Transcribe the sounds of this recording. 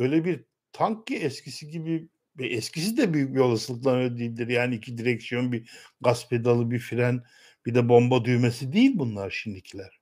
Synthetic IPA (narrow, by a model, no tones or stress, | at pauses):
bø̞jlʲɛbiɾ | t̪ʰaŋkːiɛscʰisiɟibi | vɛʔɛscʰisid̪ɛbyjyc̚jo̞lˠasɯlˠɯklˠanad̪ijːlʲd̪iɾjaːniːcʰid̪iɾɛcsijo̞nbiɡaspʰed̪alˠɯbifiɾæn | b̥id̪ɛbo̞mbad̪yjmesid̪ejilʲbunlˠaɾʃimd̪icʰilʲæɾ̥